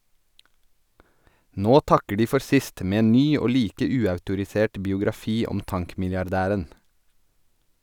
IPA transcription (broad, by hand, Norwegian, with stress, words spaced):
ˈnoː ˈtɑkə ˈɖiː ˈfɔɾ ˈsɪst ˈmeː ˈeːn ˈnyː ˈoː ˈliːkə ˈʉːɑʉtʊɾɪˌseːʈ bɪʊɡɾɑˈfiː ˈɔm ˈtɑŋkmɪljɑɾˌdæːɾən